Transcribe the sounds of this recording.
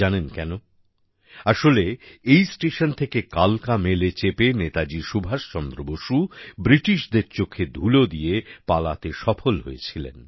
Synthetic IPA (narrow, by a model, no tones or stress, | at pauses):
anenkɛno | aʃoleejsʈeʃont̪ʰekekalkamelet͡ɕepenet̪ad͡ʑiʃubʱaʃt͡ɕɔnd̪ɾoboʃubɾiʈiʃd̪eɾt͡ɕokʰːed̪ʱulod̪iepalat̪eʃɔfolɦo̰jet͡ɕʰilḛn